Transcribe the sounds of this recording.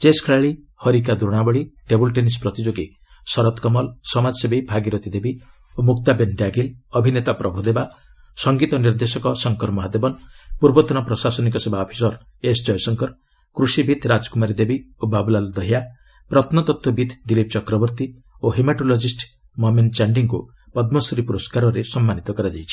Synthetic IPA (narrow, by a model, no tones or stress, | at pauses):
t͡ʃeskʰeɭaɭi | hɔɾik̬ad̪ɾoɽ̃abɔɭiɖebulʈenispɾɔt̪id͡ʒoɡi | sɔɾɔt̪kɔmɔlsɔmad͡ʒɔsebebʱaɡiɾɔt̪id̪ebi | omukt̪abenɖaɡilɔbʱinet̪apɾɔbʱud̪eba | sɔŋɡit̪ɔniɾd̪esɔkɔsɔŋkɔɾmɔɦad̪ebɔnpuɾbɔt̪ɔnɔpɾɔsasɔnik̬ɔsebaɔpʰi̥sɔɾ | esd͡ʒɔjsɔŋkɔɾ | kɾusibʱit̪ɾad͡ʒɔ̥kumaɾid̪ebiobabulald̪ɔɦja | pɾɔt̪ʰnɔt̪ɔt̪wɔbit̪ʰd̪ilip̚t͡ʃɔkɾɔbɔɾt̪i | oɦemaʈolod͡ʒisʈ | mɔment͡ʃaɳɖiŋku | pɔd̪mɔsɔɾipuɾɔskaɾɔɾesɔmːanit̪ɔkɔɾad͡ʒajt͡ʃʰi̥